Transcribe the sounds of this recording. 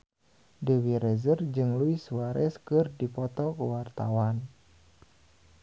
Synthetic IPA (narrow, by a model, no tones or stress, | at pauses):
dəwiɾɛzərd͡ʒɨŋluisuaɾɛskɨrdipɔt̪ɔkəwart̪awan